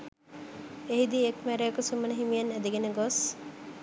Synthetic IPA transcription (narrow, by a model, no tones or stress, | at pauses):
eɦid̪iekmæɾejəkəsumənəɦimijɐnæd̪eɡenəɡos